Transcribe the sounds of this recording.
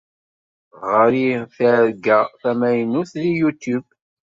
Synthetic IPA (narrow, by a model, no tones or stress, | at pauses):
ʁəɾiθæɾɡæθæmæjnuθlijut̪jub